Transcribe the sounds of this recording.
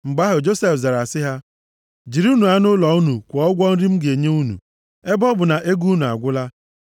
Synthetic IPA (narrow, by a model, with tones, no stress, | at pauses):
ŋ͡m̩˨ɡ͡ba˦ɦʊ˨d͡ʒo˦se˨fza˨ɾa˨sɪ˦ɦa˦ | d͡ʒi˨ɾu˦nu˨a˦nʊ˦lɔ˨u˦nu˨kʷɔ˨ɔ˦ɡʷɔ˦n̩˦ɾi˦m̩˦ɡe˨ɲe˦u˦nṵ˨ | e˦bɔ˦bʊ˨na˨ʔe˦ɡu˦nu˨a̰˨ɡʷʊ˦la˦